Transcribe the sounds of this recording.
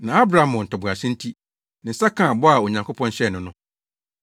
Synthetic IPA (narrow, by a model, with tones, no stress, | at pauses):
nã˨a˦bɾa˨mʊ̃˨n̩˨tʰɔ˨bʊ˨a˨ɕɪ̃˦n̩˦tʰi˦ | nɪ̃˨˦sa˦kʰã˦˨bɔ˦a˨o˨ɲã˨ŋko˦pʰɔ̃˦n˦ɕɛ˦˨nʊ̃˦nʊ̃˦